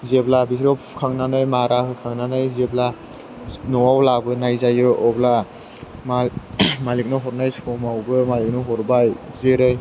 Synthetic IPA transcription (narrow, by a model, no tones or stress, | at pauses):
zeblabisɾɔp̚ʰkʰaŋnanɯjmaɾakʰɯkʰaŋnanɯjzebla | nɔawlabɯnajzajɯʔɔbla | mamalik̚nɯɦɔɾnajsɔmawbɯmalik̚nɯɦɔɾbaj | zeɾɯj